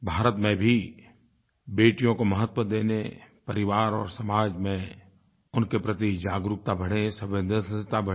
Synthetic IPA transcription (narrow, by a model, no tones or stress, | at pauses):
bʱaːɾət̪mẽbʱi | beːʈijõkoməɦət̪wəd̪eːnepɐɾɪʋaːɾɔ̰ːɾsɐmaːd͡ʒmẽ | ʊnkepɾət̪id͡ʒaːɡɾʊk̚t̪abʱɐɽesəbẽnd̪ʱət̪abʱə